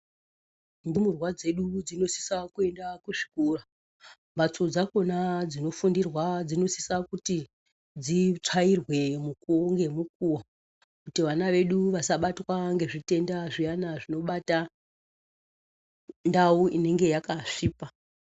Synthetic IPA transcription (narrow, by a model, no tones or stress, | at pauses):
ndimurwad͡ze̞ɗud͡zino̞si̥sakue̞ndakuʐi̥kuːra | mat͡sod͡zako̞nad͡zino̞fundirwad͡zino̞si̥sakuti | d͡zit͡ʂairwe̞mukuoŋɡe̞muk̚uwa | kutiʋanaʋe̞ɗuʋasaɓatwaŋɡe̞ʐite̞ndaʐijanaʐino̞ɓata | ndauʔine̞ŋɡe̞jakaʂiːpa